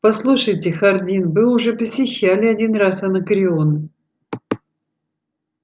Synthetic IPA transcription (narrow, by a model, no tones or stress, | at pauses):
pɐslˠuʂəjtʲɪxɐrdʲinbɨʊʐɛpəsʲɪɕːælʲɪɐdʲinrasɐnɐkɾʲɪon